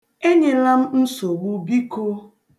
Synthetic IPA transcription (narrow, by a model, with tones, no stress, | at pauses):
e˦ɲe˨la˦m̩˦n̩˦so˨wu˦bi˦ko˦